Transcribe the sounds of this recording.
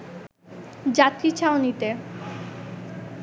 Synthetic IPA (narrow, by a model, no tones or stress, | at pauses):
d͡ʑat̪ɾit͡ɕʰaonit̪e